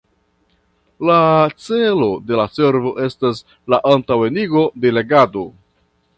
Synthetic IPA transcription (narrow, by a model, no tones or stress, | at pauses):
lat͡se̞lo̞de̞lase̞ɾvo̞ʔe̞stas̬ | laʔantawe̞niɡo̞de̞le̞ɡado̞